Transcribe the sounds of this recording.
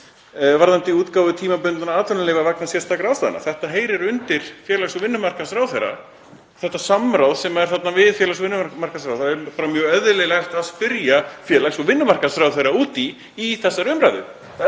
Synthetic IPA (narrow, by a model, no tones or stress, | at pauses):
vaɾðant̪ɪuːt̪kaːwvʏt̪ʰiːmapʏnt̪anaaːt̪œnaleːjvavaknasjɛst̪ːakɾaːwst̪aːð̰na̰θɛht̪aɦeːjɾɪɾʏnt̪ɪɾ̥fjɛːlasɔvɪnːʏmar̥kasɾaːwθejɾa̰ | θɛht̪ːasamːɾawðsɛmaɛɾ̥θat̪navɪðfjɛːlas̬ɔvɪnːmamaɾ̥kas̬ɾawθaɛpaːɾamjœːɣœððʏlɛlaht̪aðspɪɾjafjɛːlaxsɔɣvɪnːʏmar̥kasɾawθejɾːauːt̪iː | θɛsːaɾʏmɾajðʏ̰